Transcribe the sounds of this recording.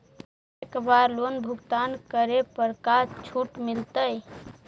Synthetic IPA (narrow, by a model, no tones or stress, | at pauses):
ekbaɾlonbʱuɡt̪ankəɾepəɾkat͡ʃʰuʈmilt̪əj